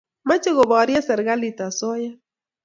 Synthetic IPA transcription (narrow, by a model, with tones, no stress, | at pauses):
ma˦t͡ʃe˦ɣɔ˨ba˨a˨ɾja˦sɛ˨ɾɡa˦li˨t̪a˨sɔ˦ja˦